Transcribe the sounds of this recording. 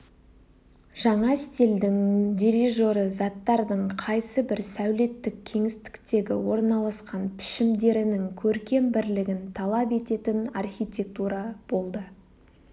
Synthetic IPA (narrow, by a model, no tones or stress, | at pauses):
ʒ̥ɑɴɑst̪ʲeld̪ɪŋdʲiɾiʒo̞ɾəzɑt̪ːɑɾd̪əɴqʰɑjsəbɪɾsæwle̞t̪ːɪkʲʰe̞ŋɪst̪ɪ̥kt̪e̞ɡʲɪ̰wo̞ɾnɑlˠɑsqɑnpʰɪ̥ʃɪmd̪e̞ɾɪnɪŋkʲʰɵɾkʲe̞mbɪɾlɪɡʲɪnt̪ʰɑlˠɑpe̞t̪e̞t̪ɪnɑrxʲijt̪ʲe̞k̚t̪uɾɑb̥o̞lˠd̪ə